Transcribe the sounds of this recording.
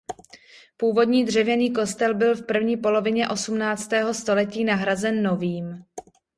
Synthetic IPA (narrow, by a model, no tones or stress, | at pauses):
puːvo̞dɲiːdr̝ɛvjɛniːko̞st̪ɛlbɪlfpr̩vɲiːpo̞lo̞vɪɲɛʔo̞sumnaːt͡st̪ɛːɦo̞st̪o̞lɛciːnaɦɾazɛnːo̞viːm